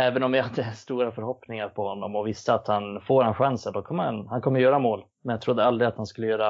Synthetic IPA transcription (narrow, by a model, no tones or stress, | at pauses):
ɛːvənɔmjahad̪ːəst̪uːɾafœɾhɔpnɪŋaɾpʰɔhɔnːɔmɔvɪst̪əat̪hanfoːɾanɧansəɳd̪ɔkʰɔmːəa̰nhankʰɔmːəɾjœːɾamoːl | mɛnjaɡt̪ʰɾʊd̪ːəald̪ɾɪd̪at̪hanskɵlːəjøːɾa